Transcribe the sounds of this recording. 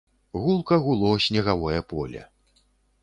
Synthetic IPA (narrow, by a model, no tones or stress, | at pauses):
ɣulˠkɐɣulˠɔsʲnʲɛɣavɔjɐpɔlʲɐ̰